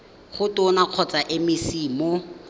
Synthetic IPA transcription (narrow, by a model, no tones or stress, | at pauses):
χʊtʊnaq͡χʰɔt͡saʔɪmɪsiːmɔ